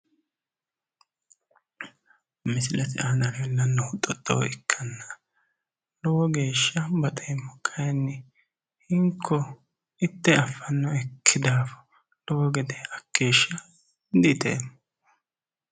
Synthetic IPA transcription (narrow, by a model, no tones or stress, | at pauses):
mɪsɪlɐt̪ɪʔɐnɐɾɛlːɐnːʊʊt̪ʼɔt̪ʼːowɪkʰːɐnːɐ | lɔwɔɡe̞ːʃːɐbɐt̪ʼɛjɛmːɔkʰːɐjɐnːɛ | hɪŋkʰːɔ | ɪt̪ːɛɐfːɐnːɔɛkʰːɪd̪aːfɔ̥ | lɔwɔɡɛd̪ɛɐkːeːʃːɐ | d̪iːt̪ḛːmː